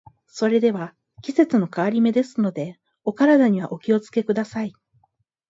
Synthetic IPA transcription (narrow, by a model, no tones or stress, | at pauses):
so̞ɾe̞d̪e̞βa | kʲise̞t͡sɨno̞kaβaɾʲime̞d̪e̞sɨno̞d̪e̞ | o̞kaɾad̪aɲ̟iβa̰ʔo̞kʲio̞t͡sɨ̥ke̞kɯ̟d̪asai